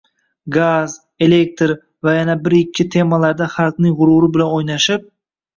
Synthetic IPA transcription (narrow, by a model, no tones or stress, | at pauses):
ɡaz | e̞le̞k̚t̪ɾ | vajanabɪɾɪkʲʰːɪt̪ʰe̞mːalaɾd̪aχaɾqnɪŋʁʊɾʊɾɪbɪlanojnaʃɪp̚